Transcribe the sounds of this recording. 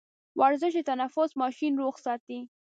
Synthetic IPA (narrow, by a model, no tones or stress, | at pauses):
wʔaɾzəʃ̬d̪et̪anafʊsmɑʃinɾoɣsɑt̪i